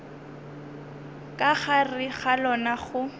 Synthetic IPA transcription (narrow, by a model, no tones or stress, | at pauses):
kʼaχarɪχalɔnaχʊ